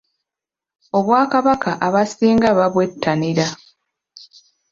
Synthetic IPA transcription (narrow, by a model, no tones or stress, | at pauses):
o̞βwaːkaβakaʔaβasiːŋɡaβaβwe̞tːaniɾa